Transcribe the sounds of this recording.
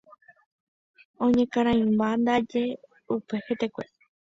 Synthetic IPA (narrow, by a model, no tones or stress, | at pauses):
õɲẽkãɾ̃ãĩmband̪ad͡ʒe | upehet̪ekʷḛ